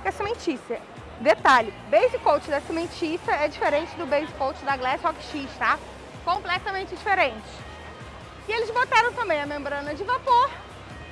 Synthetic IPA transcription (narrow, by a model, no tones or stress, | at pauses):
kɐsemẽt͡ʃisɐ | d̪et̪alʊbejzɪkowt͡ʃɪd̪ɐsemẽt͡ʃisɐɛd͡ʒifeɾẽnt͡ʃɪd̪ʊbejzɪkowt͡ʃɪd̪ɐɡlɛzhɔki̥ʃiʃt̪a | kõplɛt̪ɐmẽnt͡ʃɪd͡ʒifeɾẽnt͡ʃɪ̥ | ɪelɪzbot̪aɾɐ̃w̃t̪ɐ̃mbẽj̃ɐmẽmbɾɐ̃nɐd͡ʒɪvapoɾ